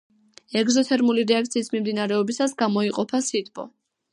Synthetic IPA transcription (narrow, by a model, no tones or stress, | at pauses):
ɛɡzɔt̪ʰɛɾmuliɾɛakt̪sʰiːsmimd̪inaɾɛɔbisasɡamɔiqʼɔpʰasit̪ʰbʼɔ̰